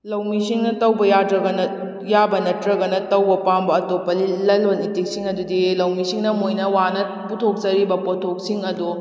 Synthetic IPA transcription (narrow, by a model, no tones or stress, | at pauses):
lɐwmisiŋnɐtɐwbɐjatɾɐɡɐnɐ | jabɐnɐtɾɐɡɐnɐtɐwbɐpambɐːtopːɐlilɐlonitik̚siŋɐdudilɐwmisiŋnɐmojnɐwanɐ | putʰok̚t͡ʃɐɾibɐpotʰok̚siŋɐdu